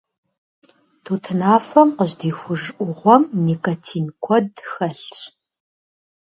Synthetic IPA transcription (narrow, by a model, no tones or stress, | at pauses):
tʰuːtʰɨnaːfɐmqəʑdiːxʷʊʒʔʷʊʁʷɔmnikʼɐtʰiːnkʷʰɔdxɐɬɕ